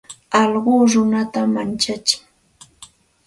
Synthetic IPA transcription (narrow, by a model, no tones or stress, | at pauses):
ɑʎɢoːɾʊnat̪amant͡ʃat͡ʃɪ̥ŋ